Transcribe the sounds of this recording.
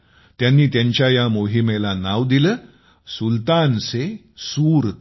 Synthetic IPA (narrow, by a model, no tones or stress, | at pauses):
t̪janːiːt̪jãɲt͡ɕjajamoɦimelanaʋd̪iləː | sult̪anse | suːɾ